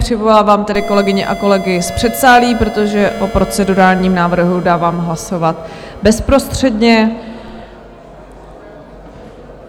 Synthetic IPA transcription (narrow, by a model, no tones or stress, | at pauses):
r̥ɪvolaːvaːmt̪ɛdɪko̞lɛɡɪɲɛʔako̞lɛɡɪspr̥ɛt̪saːliːpɾo̞t̪o̞ʒɛʔo̞pɾo̞t͡sɛduɾaːlɲiːmnaːvr̩ɦudaːvaːmɦlaso̞vat̪bɛspɾo̞st̪r̝̥ɛdɲɛ